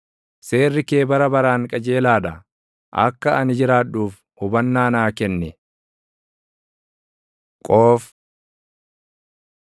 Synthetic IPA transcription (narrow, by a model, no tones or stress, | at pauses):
se̞ːrːɪke̞ːbɐɾɐbɐɾaːŋkʼɐd͡ʒe̞ːlaːᶑ̪ɐ | ʔɐ̰kːɐɐnɪd͡ʒɪɾaːᶑuːf | hʊbɐnːaːnaːkɛnːɛ | kʼoːf